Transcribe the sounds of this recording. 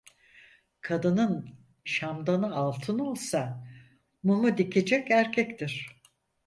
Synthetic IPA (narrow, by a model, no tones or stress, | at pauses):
kʰad̪ɯnɯn | ʃamd̪anɯalˠt̪ʰɯno̞lˠsa | mumud̪ikʰe̞d͡ʒɛkæɾcʰɛkt̪ʰiɾ̝̥